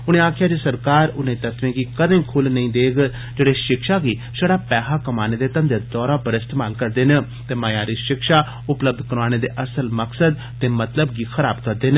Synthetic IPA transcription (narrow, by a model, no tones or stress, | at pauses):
ʊnẽːaːkʰɪjaːd͡ʒeːsəɾkaːɾʊnẽːt̪ət̪ʋẽːɡiːkəd̪ẽːkʰʊlnəĩːd̪eːɡ | d͡ʒeːɽeːʃɪkʃaːɡiː | səɽaːpɛːɦaːkəmaːneːd̪eːt̪ə̃nd̪eːd̪ɔːɾaːbəɾɪst̪eːmaːlkəɾd̪eːnə̃ | t̪eːmaːjaːɾiːʃɪkʃaː | ʊpləb̚d̪kəɾʋaːneːd̪eːʔəsəlməksəd̪̚ | t̪eːmət̪ləbɡiːxʰəɾaːbkəɾd̪eːnː